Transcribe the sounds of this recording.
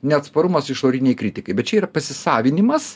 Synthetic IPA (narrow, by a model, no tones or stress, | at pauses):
nʲɛɐt̪spɐɾʊmɐsɪʃoːɾʲɪnʲɛɪkɾʲɪt̪ʲɪkɐɪbʲɛt̚t͡ʃʲɛiːɾɐpɐsʲɪsɑːʋʲɪnʲɪmɐs